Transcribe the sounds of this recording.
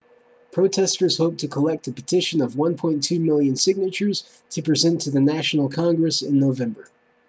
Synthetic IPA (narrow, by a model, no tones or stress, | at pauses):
pʰɹ̥oʊtʰɛstə˞z̥hoʊp̚tʰɨkʰəlɛk̚tɨpɨtʰɪʃɨ̃nʌvwʌ̃npʰɔ̃ɪ̃ntʰʉmɪlˠjɨ̃nsɪɡ̚nɨt͡ʃə˞z̥ | tʰɨpʰɹ̥izɛ̃ntʰɨðɨnæʃn̩l̩ˠkʰɑ̃ŋɡɹɨsɪ̃nːoʊvɛ̃mbə˞